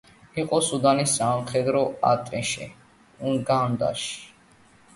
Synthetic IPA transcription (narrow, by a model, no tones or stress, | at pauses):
iqʼɔsud̪anisamχɛd̪ɾɔa̰t̪ʼɛʃɛ̰ | uɡand̪a̰ʃi̥